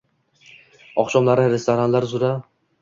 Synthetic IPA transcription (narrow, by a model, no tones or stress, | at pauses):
ɒχʃɒmlaɾɪɾe̞st̪oɾanlaɾzʊɾa